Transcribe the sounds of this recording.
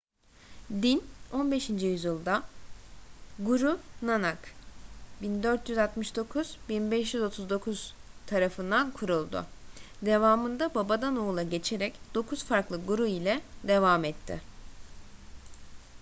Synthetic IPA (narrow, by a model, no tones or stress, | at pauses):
d̪ino̞nbe̞ʃind͡ʒijyzjɯlˠd̪a | ɡuɾunanak | bind̪øɾt̪ʰjyzalt̪mɯʃd̪o̞kʰuz̥binbɛʃjyzo̞t̪ʰuzd̪o̞kʰuz̥t̪ʰaɾafɯnd̪ankʰuɾulˠd̪ʊ̰d̪e̞vaːmɯnd̪ababad̪anoːlˠaɟe̞t͡ʃʰe̞ɾɛcd̪̥o̞kʰuzfaɾklˠɯɡuɾuilʲɛd̪e̞vamɛt̪ʰːɪ̰